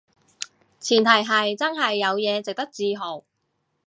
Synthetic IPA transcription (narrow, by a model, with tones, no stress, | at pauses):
t͡sʰiː˨˩nt̪ʰɐ˨˩jɦɐ˨jt͡sɐ˥nɦɐ˨jːɐ˨˧wjɛː˨˧t͡sɪ˨k̚t̪ɐ˥k̚t͡siː˧ɦo˨˩w